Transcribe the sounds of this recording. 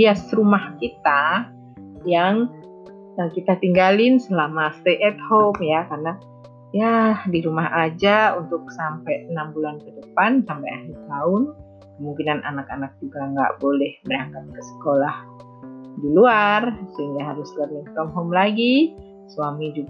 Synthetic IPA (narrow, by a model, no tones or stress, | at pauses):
iasrumahkit̪a | jaŋ | əkit̪at̪iŋɡalɪnsəlamast̪eʔɛt̪̚homjakarna | jadiɾumaɦad͡ʒaunt̪ʊk̚sampajənambulankədəpansampajahlit̪aʊn | kkəmuŋkinanʔa̰nakanak̚d͡ʒuɡaŋɡa̰ʔbolɛhdiaŋkat̪̚kəsə̥kolah | diluarsəiŋɡaɦaɾʊslarnikɔmɦomlaɡi | swamid͡ʒuɡ